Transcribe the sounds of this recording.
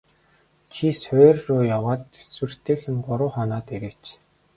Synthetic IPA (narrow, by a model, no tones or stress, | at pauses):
t͡ɕʰisʊːrːʊːjawaːt̪e̥swɘ̆r̥t̪ʰeːxɘ̆ŋɢʊɾʊːχɔnaːt̪eɾɘ̆kt͡ɕ